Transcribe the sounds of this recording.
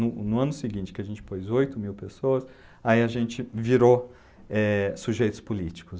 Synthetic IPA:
nʊnʊɐ̃nʊsɪɡĩnt͡ʃɪ̥kɪaʒẽnt͡ʃɪ̥pojzojt̪ʊmiwpesoɐs | aiaʒẽnt͡ʃɪviɾo | ɛsuʒejt̪ʊ̥spʊlit͡ʃi̥kʊ

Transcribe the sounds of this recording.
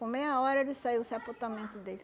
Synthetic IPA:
kõmejɐɔɾɐelɪsaiwʊsapot̪amẽnt̪ʊd̪elɪ

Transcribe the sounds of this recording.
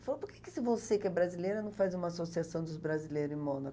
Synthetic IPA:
falopʊɾkekɪ̥sɪvosekɛbɾazilejɾɐnɐ̃w̃fajzũmɐasosiasɐ̃w̃d̪ʊzbɾazilejɾʊẽmõnɐ

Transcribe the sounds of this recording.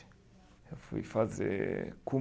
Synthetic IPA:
ɛfuḭfazɛ̰kʰu

